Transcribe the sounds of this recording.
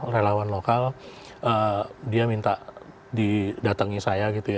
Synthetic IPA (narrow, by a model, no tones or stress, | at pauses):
relawanlokal | ʔədiamint̪aʔ | didat̪əŋisajaɡit̪uja